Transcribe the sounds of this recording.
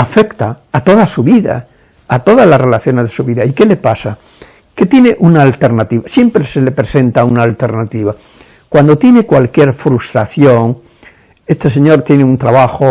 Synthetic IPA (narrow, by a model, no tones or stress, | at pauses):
afekt̪aːt̪o̞ðasuβiða̰ː | t̪o̞ðazlasre̞laθjo̞nezðesuβiðaike̞le̞pasa | ket̪je̞neʔunaːlt̪eɾnat̪iβasje̞mpɾesele̞pɾesẽ̞nt̪aunaːlt̪eɾnat̪iβa | kwand̪o̞t̪je̞ne̞kwalkje̞ɾfɾust̪ɾaθjoŋ | e̞st̪ese̞ɲo̞ɾt̪je̞neunt̪ɾaβaxo